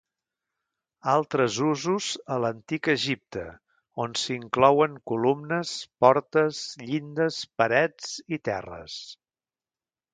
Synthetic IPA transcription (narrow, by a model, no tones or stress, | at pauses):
alˠt̪ɾəzuzuzələnt̪ikəʒip̚t̪ə | onsiŋklɔwəŋkulumnəspɔɾt̪əzʎind̪əspəɾɛd͡zit̪ɛ̰rə̰s